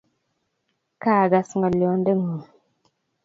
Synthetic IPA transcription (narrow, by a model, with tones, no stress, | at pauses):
kaː˦˨ɡa˨sŋɡa˨li˨o˦n˦də˦ŋu˨